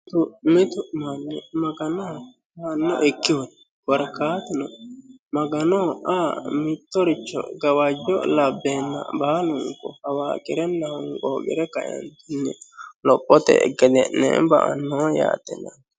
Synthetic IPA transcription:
t̪ʊmɪt̪ʊʔmanːɛmɐɡɐnɔ | hanːɔ̰ʔɛkːɪwɔ | bɐɾkaːt̪ɪnɔmɐɡɐnɔaːmɪt̪ːɔɾɪt͡ʃːɔ̰ɡɐwad͡ʒɔlɐbːeːnːɐ̰baːlʊŋkɔ̰hɐwaːkʼɪɾɛnːɐhɔŋkoːɡɪ̰ɾɛkɐ̰jɐ̰nt̪ʊnːɛlɔpʼːɔt̪ɛ̰ɡɛd̪ɛnːɛ̰bɐ̰ʔɐ̰nːɔja̰ːt̪ːɛnɐn

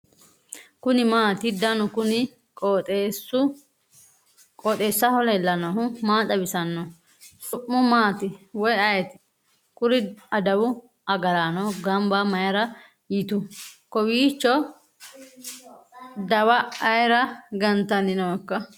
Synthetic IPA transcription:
kʊnɪmaːt̪ɪd̪ɐnʊkʊnɪ | kʼɔt̪ʼesʊ | kʼɔːt̪ʼeːsːɐhɔlɐlːɐnɔɦʊmaːt̪ɐbɪsɐnːɔ | sʼʊʔːʊmaːt̪ɪwɔjɐjɛt̪ɪ̥ | kʼʊɾɪɐd̪ɐwʊ | ʔɐɡɐɾanɔɡɐmbɐmɐjɐɾɐ | jɪt̪ʊkɔwiːt͡ʃːɔ | d̪ɐwɐːjɾɐɡɐnt̪ɐnɪnɔkːɐ

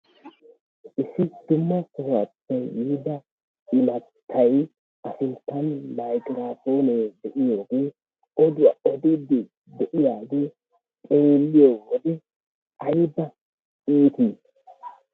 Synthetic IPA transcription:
ʔɪsːɪd̪̥ʊmːɐkʊwɐtːɐjːʊhd̪ɐ | ɪmɐt̪ʰːɐj | ʔɐsʊnt̪ːɐnmajkʼɪɾaːfo̞ːneːd̪ɛʔɪjo̞ːɡe̞ː | ɔd̪ʊwɐɔd̪ɪd̪ːɪ | d̪ɛʔɪjaːɡe̞ː | tʼe̞ːlːɪjoːwɔd̪ɛ | ɐjbɐ | iːt̪iː

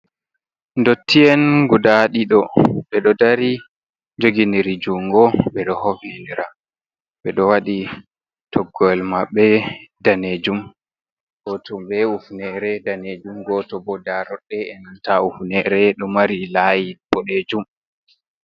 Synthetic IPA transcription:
ndotːiɛnɡudaɗiɗɔɓɛɗɔdaɾi | d͡ʒoɡiniɾid͡ʒuŋɡɔɓɛɗɔhovindiɾa | ɓɛɗɔwaɗi | tʰɔɡːɔɛlmaɓːɛdaned͡ʒum | ɡɔtʰɔɓɛufnɛɾɛdaned͡ʒumɡɔtɔbɔdaɾɔɗːɛɛnantaufnɛɾɛɗɔmaɾilajibɔɗed͡ʒum

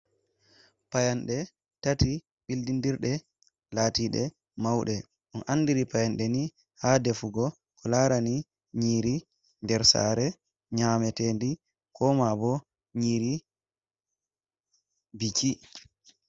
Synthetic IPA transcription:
pajanɗɛ | tati | ɓildindiɾɗɛ | laːtiɗɛ | mawɗɛ | ʔunʔanːdiɾipajanɗɛni | hadɛfuɡɔ | kɔlaːɾani | ɲiːɾi | ndɛɾsa̰ːɾɛ | ɲaːmɛteːndi | kʰɔmabɔ | ɲiːɾi | biki

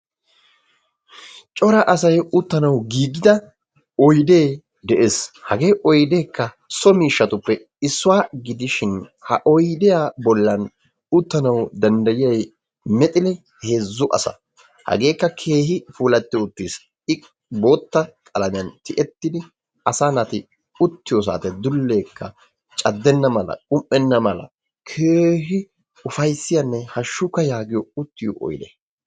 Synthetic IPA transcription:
t͡ʃʼɔɾɐʔɐsɐjʊt̪ːɐnɐwɡiːɡɪd̪ɐ | ɔjd̪e̞ː | d̪ɛʔeːshɐɡe̞ːʔɔjd̪eːkːɐ | sɔmiːʃːɐt̪ʊpːɛ | ɪsːʊwaːɡɪd̪ɪʃɪnhɐʔɔjd̪ɛjaːbɔlːɐn | ʊt̪ːɐnɐwd̪ɐnd̪ɐjɪjɐj | mɛt̪ʼɪlɛ | he̞ːzːʊʔɐ̰sɐ̰ | hɐ̰ɡe̞ːkːɐkʰe̞ːɦɪfuːlɐt̪ːɪʊt̪ːiːs | ɪ | bo̞ːt̪ːɐkʼɐlɐmɪjɐnt̪ɪʔɛt̪ːɪd̪ɪ | ɐsanɐt̪ɪ | ʊt̪ːɪjos̬a̰ːt̪ɛd̪ʊlːeːkʰːɐ | t͡ʃʼɐd̪ːɛnːɐmɐlɐ̰kʼʊmʔːɛnːɐmɐlɐ̰ | kʰeːɦɪ | ʊfɐjsːɪjɐnːɛhɐʃːʊkːɐjaːɡɪjɔʊt̪ːɪjɔʔɔ̰jd̪ɛ̰

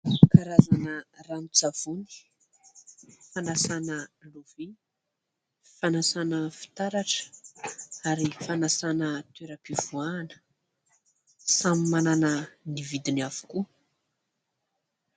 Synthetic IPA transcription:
sukaɾazanəranut͡sav̥uni̥ | fanasanəluvi | fanasanəfi̥t̪aɾaʈ͡ʂə̥ | aɾifanasanət̪eɾəpiv̥uanə̥ | samimananənivid̪iniavu̥ku

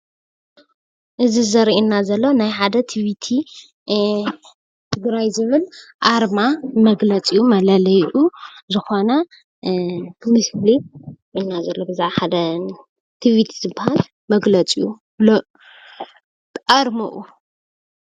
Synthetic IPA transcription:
ʔɨzizɐɾʔinːazɐlːo̞najħad̪ɐt̪ʰiβit̪ʰi | t̪ʰɨɡɾajzɨβɨlʔaɾmamɐɡlɐt͡sʼijumɐlɐlɐjʔuzɨxo̞nɐ | mɨsliʔɪnːazɐlːobɨzaʕaħad̪ɐ | t̪ʰiβit̪ʰizɨbːahal | mɐɡlɐt͡sʼiju | l | ʔɐɾmɐʔu

